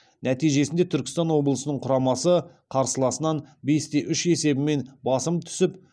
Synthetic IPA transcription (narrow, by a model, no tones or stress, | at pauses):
næt̪ijʒe̞sɪnd̪e̞t̪ʰʏɾkʲɪ̥st̪ɑnwo̞blˠəsənəɴqʰʊɾɑmɑsə | qʰɑɾsəlˠɑsənɑnbe̞st̪e̞ʔʏʃe̞se̞bɪme̞nbɑsəmt̪ʰʏ̥sɪp